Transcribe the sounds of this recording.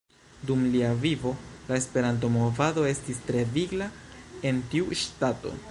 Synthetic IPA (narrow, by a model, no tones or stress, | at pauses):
dumliavivo̞lae̞spe̞ɾant̬o̞mo̞vado̞e̞stistɾe̞viɡlae̞ntiuʃtato̞̰